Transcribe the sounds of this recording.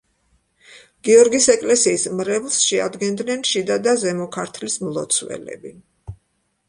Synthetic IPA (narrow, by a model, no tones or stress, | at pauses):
ɡ̥iɔɾɡisɛkʼlɛsiːsmɾɛvlˠsʃɛa̰d̪ɡɛnd̪nɛnʃid̪ad̪azɛmɔkʰaɾt̪ʰlismlˠɔt̪sʰwɛ̰lɛ̰bi